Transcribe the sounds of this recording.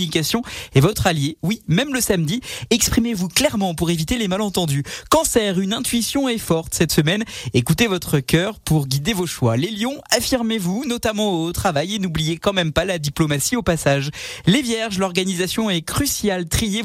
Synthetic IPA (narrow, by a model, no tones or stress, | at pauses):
nikasjɔ̃evɔt̪χaljewimɛmləsamd̪iɛkspχimevuklɛʁmɑ̃puʁevit̪elemalɑ̃t̪ɑ̃d̪ykɑ̃sɛʁynɛ̃t̪ɥisjɔ̃ɛfɔʁt̪sɛt̪səmɛnekut̪evɔt̪χəkʲœʁpuʁɡʲid̪evoʃwaleljɔ̃afiʁmevunɔt̪amɑ̃ot̪χavajenublijekɑ̃mɛmpalad̪iplomasiopasaʒlevjɛʁʒlɔʁɡanizasjɔ̃ɛkχysjalt̪χije